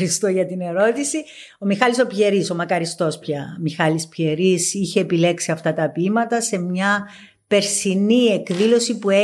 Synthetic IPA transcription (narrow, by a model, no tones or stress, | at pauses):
ɾist̪oʝɐt̪ine̞ɾo̞t̪isi | o̞mixɐliso̞pçe̞ɾiso̞mɐkɐɾist̪o̞spçɐmixɐlispçe̞ɾisiçe̞ːpile̞ksiɐft̪ɐt̪ɐpimɐt̪ɐse̞mɲɐ | pe̞ɾsinie̞kðilo̞sipue